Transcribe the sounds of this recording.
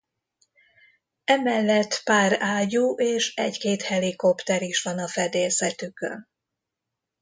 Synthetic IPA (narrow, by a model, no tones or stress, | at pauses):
ɛmɛlːɛt̪ːpaːraːɟuːʔeːʃɛckeːt̪hɛliko̞pt̪ɛɾiʃʋɒnɒfɛd̪eːsɛt̪ykø̰n